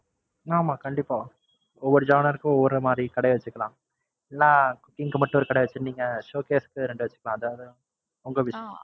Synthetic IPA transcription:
aːmaːkɐɳɖɪpːaː | ɔʋːɔɾɯd͡ʒaːnɐɾɯkːɯ̃ɔʋːɔɾɯmaːd̪ɾikɐɽɐjɐʋɐt͡ʃːɯkːɐlãː | ɛlːãːkːɪŋkɯmɐʈːʊ̃ɔɾɯkɐɽɛjʋɐt͡ʃːɯniːŋɡɐʂoːkeːsɯ̥kːɯɾɛɳɖɯʋɐt͡ʃːɯ̥kːɐlãːɐðaːʋɐðɯ | ɔŋɡɐʋɪʂɐjɐ̃

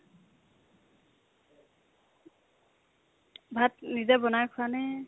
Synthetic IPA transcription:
bʱat̚nizabɔnajkʰʊanɛ

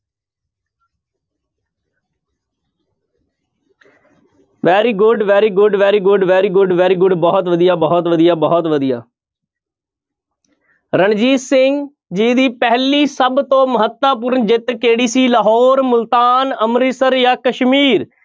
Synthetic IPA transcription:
ʋɛːɾiːɡʊɖʋɛːɾiːɡʊɖʋɛːɾiːɡʊɖʋɛːɾiːɡʊɖʋɛːɾiːɡʊɖbɔːt̪ʋəd̪ijaːbɔːɔt̪ʋəd̪ijaːbɔːt̪ʋəd̪ija̰ː | ɾəɳd͡ʒiːssɪŋɡ | d͡ʒiːd̪iːpɛɦliːsəbt̪õːməɦət̪ːaːp̬ʊɾnd͡ʒɪt̪keːɽiːsiːləɦɔːɾmʊlt̪aːnəmɾisəɾjaːkəʃmiːɾ

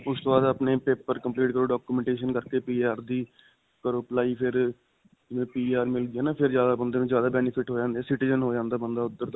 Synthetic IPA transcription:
ʊst̪oːbaːd̪aːpneːpeːpəɾkəmpliːʈkəɾoːɖaːkuːmɛ̃ːɳʈeːʃənkəɾkeːpiːaːɾd̪iː | kəɾoːplaːiːpʰɪɾ | d͡ʒɪʋẽːpiːaːɾmɪld̪ɪjaːnãːpʰɪɾzjaːd̪aːbənd̪eːnũːzjaːd̪aːbɛːnɪpʰɪʈɦoːd͡ʒãːnd̪eɛːsɪʈiːzənɦoːd͡ʒãːnd̪aːbənd̪aːʊd̪ːəɾ

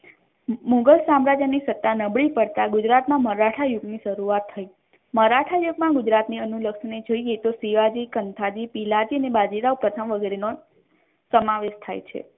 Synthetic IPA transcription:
mũɡəlsamɾad͡ʒanisət̪ːanəbɭipəɽt̪aɡud͡ʒɾat̪mãməɾaʈʰajuɡniʃəɾuat̪ʰːəi | məɾaʈʰajuɡmãɡud͡ʒɾat̪niənuləkʂned͡ʒojet̪osiʋad͡ʒikənt̪ʰad͡ʒipilad͡ʒiənebad͡ʒiɾaupɾət̪ʰəmʋəɡeɾeno | səmaʋeʃt̪ʰa̰jt͡ʃʰḛ

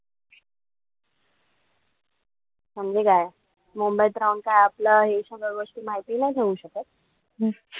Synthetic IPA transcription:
m̤əɳd͡zekaj | mumbəjt̪ɾawnkajapləɦeɕãɡəɾʋəsʈ̪iːmaɦit̪iːnaɦit̪ʰeʋuːɕəkət̪̚

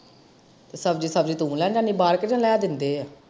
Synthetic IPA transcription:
t̪eːsəbd͡ʒiːsəbd͡ʒiːt̪ũːlɛːd͡ʒaːniːbaːɾkɪd͡ʒãːlɛːd̪ɪnd̪eːɛː

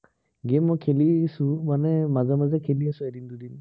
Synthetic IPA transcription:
ɡemɔkʰelisumanɛmazamazakʰeliasuedind̪udin

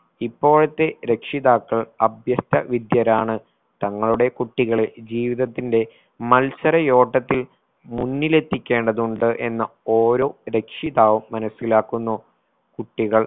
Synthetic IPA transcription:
ipːo̞ːɭɐt̪ːe̞ɾe̞kʂiðaːkːɐɭɐbʱjɐst̪ɐʋid̪jɐɾaːɳɨ | t̪ɐŋːɐɭuɽe̞kuʈːiɣɐɭed͡ʑiːʋiðɐt̪ːinde̞ | mɐlsɐɾɐjo̞ːʈːɐt̪ːil | munːile̞t̪ːikʲːe̞ːɳɖɐðuɳɖɨʔe̞nːɐo̞ːɾo̞ːɾe̞kʂiðaːʋuːɐnɐsːilaːkːunːoː | kuʈːiɣɐɭ

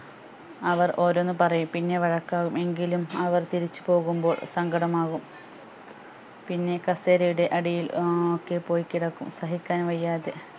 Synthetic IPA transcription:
ɐʋɐro̞ːɾonːɨpɐrɐjumpinːe̞ʋɐɻɐkːaːɣume̞ŋɡilumɐʋɐrt̪iɾit͡ɕːu̥po̞ːɣumbo̞ːɭsɐŋɡɐɽɐmaːɣum | pinːe̞kɐseːɾɐjuɽe̞ʔɐɽijilokːe̞po̞ːjkːiɽɐkːumsɐɦikʲːaːnʋɐjːaːðe

